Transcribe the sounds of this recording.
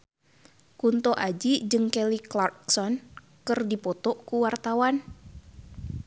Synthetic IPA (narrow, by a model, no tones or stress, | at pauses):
kunt̪ɔʔad͡ʒid͡ʒɨŋkɛliklarksɔn | kɨrdipɔt̪ɔkuwart̪awan